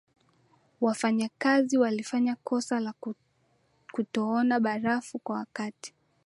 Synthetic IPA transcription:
wafaɲakaziwalifaɲakɔsala | kutɔɔnaɓaɾafukwawakati̥

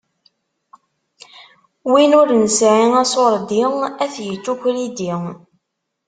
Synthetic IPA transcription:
winʊɾnəsʕiæsoɾˤd̪iŋæθjət͡ʃːukʷɾid̪iŋ

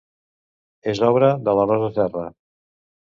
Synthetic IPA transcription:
ezɔβɾəðələrɔzəsɛrə

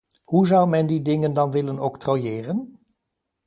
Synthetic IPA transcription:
ɦuzʌwmɛndidɪŋəndɑnʋɪlənowktrojɪːrən

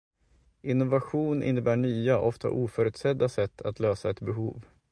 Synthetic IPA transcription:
ɪnːʊvaɧuːnʔɪ̰nːəbæːɳyːaʔɔft̪a̰ʔuːfœːɾʉːt̪sɛd̪ːasɛt̪ːat̪ʰløːsaɛt̪bɛɦṵːv

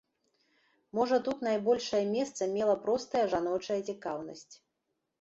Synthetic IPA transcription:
mɔʐɐt̪ut̪najbɔlʲʂɐjɐmʲɛst̪sɐmʲɛlˠɐpɾɔst̪ɐjɐʐanɔt͡ʂɐjɐt͡sʲikawnɐ̰sʲt͡sʲ

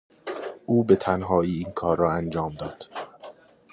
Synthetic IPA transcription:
ʔuːbe̞t̪ʰænɦɒːiːiːnkʰɒːrːɒːænd͡ʒɒːmd̪ɒːd̪̥

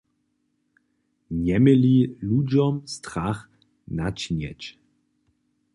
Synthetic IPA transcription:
ɲɛmɪlilud͡ʑɔmst̪ɾax | nat͡ɕɲɛ̰t͡ɕ

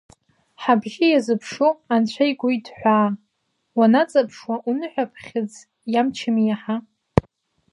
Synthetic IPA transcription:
ħabʒʲɪjazɨpʰʂuant͡ɕʷʰajɡʷʊjdħʷaː | wanat͡sʼapʰʂwaʔunɨħʷᶣapʰχʲɪd͡z | jamt͡ʃʰɪmijaħa

